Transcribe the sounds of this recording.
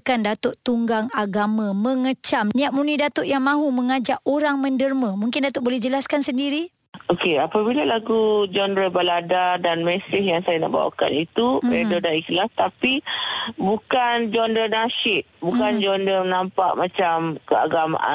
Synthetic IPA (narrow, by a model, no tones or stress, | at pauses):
kandat̪ʊʔt̪uŋɡaŋaɡamãmə̃ŋət͡ʃamniaʔ̚munidat̪ʊʔjaŋmãɦumə̃ŋad͡ʒaʔoɾaŋmə̃ndərmãmuŋkɪndat̪ʊʔ̚bolɛhd͡ʒəlaskansəndiɾi | okeapabilalaɡud͡ʒɔndɾəbaladadanmɛsɪhjaŋsajana̰ʔba̰wa̰ka̰nit̪uedɔdaiklast̪apibukand͡ʒɔndənaʃɪʔ | bukand͡ʒɔndənampa̰ʔmat͡ʃamkəa̰ɡama̰ʔa̰